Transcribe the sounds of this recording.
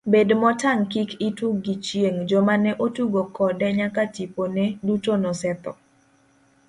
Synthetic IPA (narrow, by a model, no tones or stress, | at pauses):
bedmɔtaŋkikituɡit͡ʃjeŋd͡ʒɔmanɛʔotuɡokɔdɛɲakatiponedutonɔsɛt̪ɔ̰